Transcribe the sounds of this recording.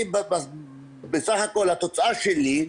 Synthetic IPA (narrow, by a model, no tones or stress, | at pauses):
bba | besaχako̞lhat̪o̞t͡saaʃeli